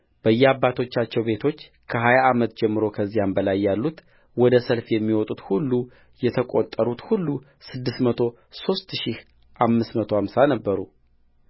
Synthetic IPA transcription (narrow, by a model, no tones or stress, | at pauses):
b̥əjːɛabːat̪ʰo̞t͡ʃːat͡ʃːɛwbe̞t̪ʰo̞t͡ʃː | kʰəɦajaːmət̪d͡ʒɛmːɨɾo̞kʰəzːijambəlajːalːut̪ | wɔd̪əsəlfjɛmːiwɔt̪ʼut̪hulːu | jɛt̪ʰəkʼot̪ʼːəɾut̪hulːu | sɨd̪ːɨsmət̪ʰo̞ | so̞st̪ʃih | ʔamːɨsmət̪ʰohamsanəbːəɾu